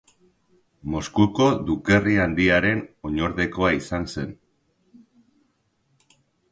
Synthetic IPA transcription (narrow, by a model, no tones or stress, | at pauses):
mo̞skuko̞ðuke̞riand̪iaɾe̞no̞ɲo̞ɾðe̞ko̞aisanse̞n